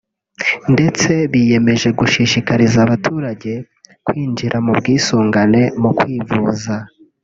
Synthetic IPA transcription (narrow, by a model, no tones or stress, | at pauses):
nde̞t͡se̞βije̞me̞ʒe̞ɡuʃiʃikaɾizaβatʰuːɾaɟe̞ | kwiːnd͡ʒiɾʔamubɡiːsuːŋɡane̞mukwiːvuːza